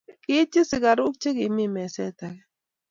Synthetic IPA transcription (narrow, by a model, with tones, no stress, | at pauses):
kɪ˦t͡ʃɪ˦sɪ˨ka˨ɾʊ˦k̚t͡ʃe˦kɪ˨˦mi˦˨mɛ˨sɛ˦ta˨kɛ˦